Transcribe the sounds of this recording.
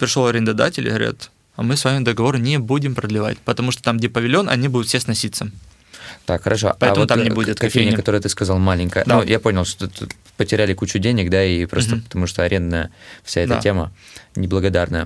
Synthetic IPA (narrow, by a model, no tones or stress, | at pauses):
pɾʲɪʂlˠoɐɾʲɪnd̪ɐd̪a̰tʲɪlʲɪ̰ɣəɾʲa̰t̪ | ɐmɨsvamʲɪd̪əɡɐvo̞ɾɨnʲɪbudʲɪmpɾəd̪lʲɪva̰tʲpət̪ɐmuʂt̪o̥t̪amɡdʲepəvʲɪlʲo̞nʔɐ̰nʲibud̪ʊt̪fʲsʲesnɐsʲit̪sə | t̪akxəɾʔɐʂo̞̰pɐɛvəmott̪amnʲɪbudʲɪt̪kɐfʲejnʲɪəkɐt̪o̞ɾɨjət̪ɨskɐzalˠmalʲɪnʲkəjəd̪nujʔaponʲɪlˠʂt̪ot̪ | pətʲɪɾʲælʲɪkut͡ɕʊdʲenʲɪkd̪aipɾos̬t̪əpə̥t̪ɐmuʂt̪oɐɾʲe̞nd̪nəjəfsʲaɛd̪əa̰tʲemənʲɪblˠəɡɐd̪arnəjə̰